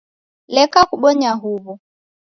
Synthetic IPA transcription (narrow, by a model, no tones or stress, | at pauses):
lɛkakuɓɔɲaɦuβu